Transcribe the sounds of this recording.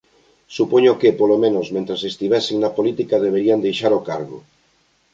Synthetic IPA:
supoɲokepolomẽnozmẽnt̪ɾasest̪iβ̞ɛsiŋnapolit̪ikaðeβ̞eɾiand̪ejʃaɾokaɾɣo̰

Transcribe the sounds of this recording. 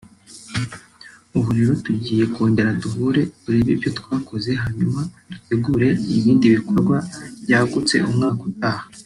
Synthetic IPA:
uβuɾiɾotuɟiːje̞ko̞ːnde̞ɾaduɦuɾe̞buɾiβibjo̞twaːkʰo̞ze̞ɦaɲumad̥ute̞ɡuːɾe̞iβiːndiβiko̞ɾɡwab̥jaːɡut͡se̞̰ʔumŋaːkut̚aːha

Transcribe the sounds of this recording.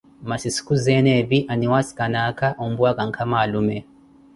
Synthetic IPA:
masiskuzɛnɛbiʔaniwasi̥kanakaʔumbuakaŋkʰamaːlumɛ

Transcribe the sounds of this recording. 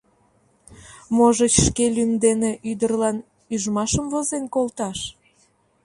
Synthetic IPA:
moʒət͡ɕʃkelymd̪eneʔyd̪ərlɑn | yʒmɑʃəmvozenkolt̪ɑʃ

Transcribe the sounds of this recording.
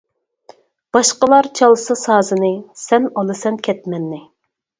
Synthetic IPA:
b̥ɑʃqəlˠɑɾt͡ʃʰɑlˠsɨsɑːzɨnɨsɛnɑlˠɨsɛnkʲʰɛt̪mɛnːɪ

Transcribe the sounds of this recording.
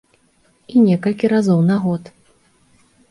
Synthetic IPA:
inʲɛkɐlʲkʲiɾazɔwnaɣɔt̪

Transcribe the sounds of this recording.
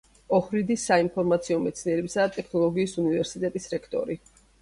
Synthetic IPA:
ɔhɾid̪isːainpʰɔɾmat̪sʰiɔmɛt̪sʰniɛɾɛbisad̪at̪ʼɛkʰnɔlˠɔɡiːsunivɛɾsit̪ʼɛt̪ʼisɾɛkʰt̪ʼɔ̰ɾi

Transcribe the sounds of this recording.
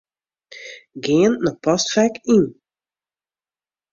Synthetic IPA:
ɡeənnɔpɑstfɛkin

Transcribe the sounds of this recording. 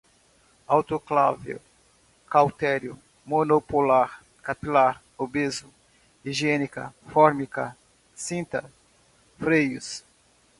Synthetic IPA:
awt̪oklavḛw | kawt̪ɛɾjʊ | monopolaɾ | kapilaɾ | obezʊ | iʒiɛnikɐ̰fɔɾmikɐ | sĩnt̪ɐ | fɾejʊs

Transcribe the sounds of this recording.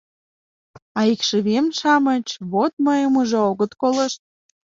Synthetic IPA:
ɑikʃəβemʃɑmət͡ɕβot̪̚məjəmuʒeoɣət̪koləʃt̪̚

